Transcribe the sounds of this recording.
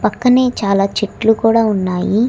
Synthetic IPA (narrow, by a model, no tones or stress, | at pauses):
pɐkːɐne̞ːt͡ʃaːlaːt͡ʃiʈlukuːɽaːunːaːji